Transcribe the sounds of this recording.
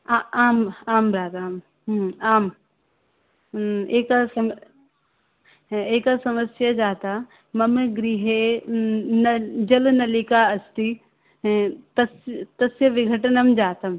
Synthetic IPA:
aaːmaːmbɾaːd̪aːm | aːm | eːkasɐm | eːkasɐməsjɐd͡ʒaːt̪a | mɐmɡɾiːɦe | nɐd͡ʒɐlnɐlikaɐst̪i | t̪ɐst̪ɐsjɐʋɪɡʱɐʈnɐmd͡ʒaːt̪ɐm

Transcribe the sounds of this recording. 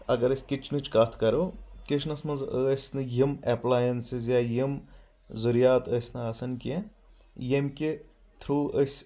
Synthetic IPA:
ɐɡɐɾɐsʲkʲit͡ʃʰnɨt͡ʃʰkɐt̪ʰkɐɾoːkit͡ʃʰnɐsmɐnzəːsʲnɨjimɛplaːjɐnsizjaːjim | zuɾjaːt̪əːsʲnɨɐsɐnkʲi | jemʲkʲi | t̪ʰɾuːəsʲ

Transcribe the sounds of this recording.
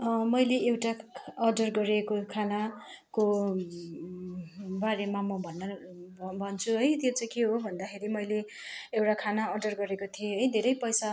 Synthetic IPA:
mʌjleewʈaʌɖʌrɡʌɾekokʰana | ko | baɾemamʌbʱʌnːʌbʱʌnt͡sʰuɦʌjt̪jot͡saĩkeɦobʱʌnd̪akʰeɾimʌjle | ewʈakʰanaʌɖʌrɡʌɾekot̪ʰijeɦʌjd̪ʱeɾʌjpʌjsa

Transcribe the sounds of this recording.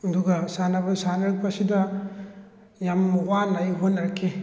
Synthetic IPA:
ɐduɡɐsanɐbɐsanɐɾɯk̚bɐsidɐ | jamːuwanajɦonːɐɾkʰi

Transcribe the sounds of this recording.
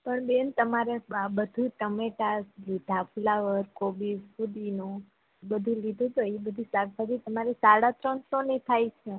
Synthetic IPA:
pəɳbent̪əmaɾeabəd̪ʱuʈəmeʈaslid̪ʱafulaʋəɾkobisfud̪inũ | bəd̪ʱũlid̪ʱũt̪əibəd̪ʱisaɾsad̪ʱit̪əmaɾisaɽat̪ɾəɳsonit̪ʰajt͡ʃʰe

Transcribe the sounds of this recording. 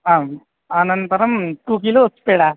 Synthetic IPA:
aːm | aːnɐnt̪ɐɾɐmʈuːk̬iluotːpeːɽa

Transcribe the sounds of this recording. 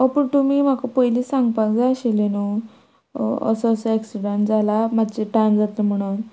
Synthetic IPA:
əpəɳt̪umiːm̤akəpəjliːsaŋɡpad͡zaəɕeleno | ə̰səːsəɛksiɽəɳʈd͡zalamad̪t͡ɕeʈand͡zat̪əm̤əɽ̃un

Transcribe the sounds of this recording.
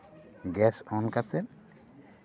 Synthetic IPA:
ɡɛsɔnkat͡sen

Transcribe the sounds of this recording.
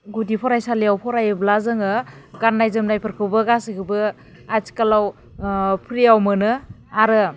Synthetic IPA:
ɡudipʰɔɾajsaliawpʰɔɾajɯblazɯŋɯɡanːajzɯmnajpʰɯɾkʰɯwbɯɡasiɡʰɯbɯ | at͡ʃi̥kalaw | pʰɾijawmɯnɯaɾɯ

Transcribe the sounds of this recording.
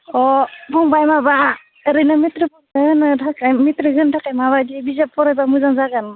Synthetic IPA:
ɔbɔŋbajmaba | ɾɯnamitɾɯpudaɯnɯdʰakajmitɾɯɡɯndʰakajmaβadibizap̚ʰːɔɾajbamuzaŋzaɡan

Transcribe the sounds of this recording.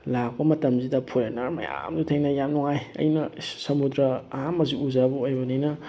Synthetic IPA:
lak̚pɐmɐtɐmzidɐpʰuɾenɐɾmɐ̰ja̰mdutʰeŋnɐjamnuŋajɐ̰jnɐsɐmudɾɐːɦamɐziuzabuojbɐninɐ

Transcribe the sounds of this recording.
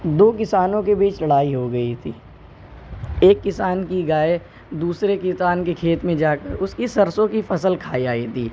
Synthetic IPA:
d̪oːk̬ɪsaːnõkebiːt͡ʃlɐɽaːiɦoɡɐit̪ʰḭː | eːkːɪsaːnkiɡaːe | d̪uːsɾekɪsaːnkekʰeːt̪mẽd͡ʒaːkəɾʊskisɐɾsõkifɐsəlkʰaːiaːit̪ʰḭː

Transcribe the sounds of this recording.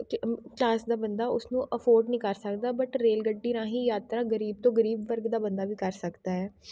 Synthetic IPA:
klaːsd̪aːbənd̪aːʊsnũːʔəfʰoːɾɖnĩːkəɾsəkd̪aːbəʈɾeːlɡəɖːiːnãːɦiːjaːt̪ɾaːɡəɾiːb̚t̪õːɡəɾiːbʋəɾɡd̪aːbənd̪aːʋiːkəɾsəkd̪aːɦɛː

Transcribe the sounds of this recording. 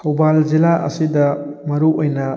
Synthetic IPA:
owbalzilaʔɐ̰sidɐmɐɾuʔojnɐ

